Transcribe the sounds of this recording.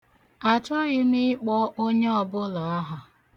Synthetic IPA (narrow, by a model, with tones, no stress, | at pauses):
a˨t͡ʃɔ˦ɣɪ˦mi˦k͡pɔ˦o˦ɲe˦ɔ˨bʊ˦lɔ˨a˦ɦʊ˨